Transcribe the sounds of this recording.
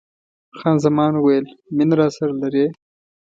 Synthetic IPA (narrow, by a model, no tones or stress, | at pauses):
xɑːnzamɑːnwejlmɪnɾɑsaɾalaɾe